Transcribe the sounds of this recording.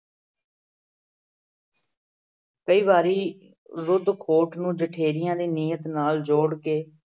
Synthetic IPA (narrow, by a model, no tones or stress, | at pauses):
kəiːβaːɾiː | ɾʊd̪kʰoːʈnũːd͡ʒəʈʰeːɾɪjãːd̪iːniːjət̪naːld͡ʒoːɽkeː